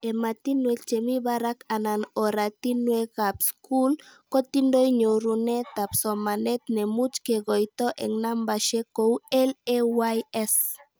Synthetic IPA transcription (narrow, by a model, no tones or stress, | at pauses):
emat̪inwet͡ʃemiβaɾakananoɾat̪inwekapskulkot̪indojɲoɾunet̪apsomanet̪nemut͡ʃkeɣojt̪oʔḛŋnambaʃekowɛlewajɛs